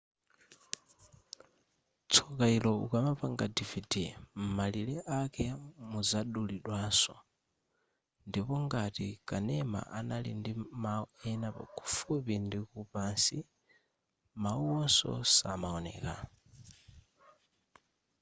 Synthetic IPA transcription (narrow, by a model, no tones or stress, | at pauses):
t͡sʰɔkailɔukamapaŋɡadividim̩malilɛʔakɛmuzaɗuliɗwaːsɔ̰ | ndipɔŋɡatikanɛma̰ʔanalḭndimaɛnapa̰kʰu̥fupindikupansi | mauɔsɔ̰samaɔnɛ̰ːka